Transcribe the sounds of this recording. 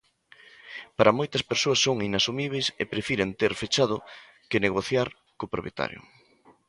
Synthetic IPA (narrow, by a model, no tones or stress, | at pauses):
paɾʔɐmojt̪ɐspeɾsoɐsːoŋinasumiβ̞ejsḛpɾefiɾent̪eɾfet͡ʃaðʊ | kɪneɣoθjaɾ | kopɾopjet̪a̰ɾjo̰